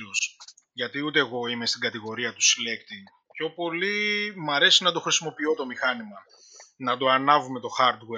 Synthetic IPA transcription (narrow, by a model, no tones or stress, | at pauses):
os | ʝɐt̪iut̪e̞ːɣo̞ime̞st̪iɡɐt̪iɣo̞ɾiɐt̪u̥sile̞kt̪i | pço̞po̞limɐɾe̞sinɐt̪o̞xɾisimo̞pio̞t̪o̞mixɐnimɐ | nɐd̪o̞ɐnɐvume̞t̪o̞xɐɾd̪we